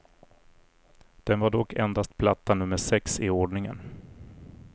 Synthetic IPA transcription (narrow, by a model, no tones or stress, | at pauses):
d̪̥ɛnvaɖɔkːɛnd̪ast̪̚pʰlat̪ʰːanɵmːəʂɛksɪoɖɳɪŋə̰n